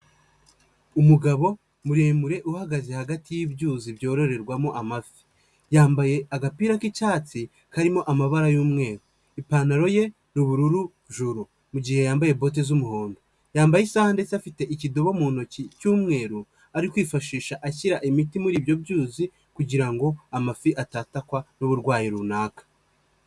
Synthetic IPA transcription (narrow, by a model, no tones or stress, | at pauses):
umuɡaβo̞ | muɾe̞ːmuɾe̞ʔuhaɡaze̞haɡatijibɟuːzibjo̞ːɾo̞ɾe̞ɾɡwamo̞ʔamafi̥ | jaːmbaje̞aɡapiːɾakicaːt͡si | kaɾimo̞ʔamaβaɾajuːmŋe̞ːɾu | ipanaɾo̞je̞ | nuβuɾuɾu | ʒuɾu | muɟihe̞jaːmbaje̞bo̞t̬ezumuhoːndo | jaːmbajesahande̞t͡safite̞ʔicido̞βo̞muːn̥o̞cicuːmŋe̞ːɾu | aɾikwiːfaʃiːʃaʔaçiɾaʔimitimuɾiːbjo̞bjuːzi | kuɟiɾaŋɡo̞amafiʔataːtakwanuβuɾɡwaːjiɾunaːkḁ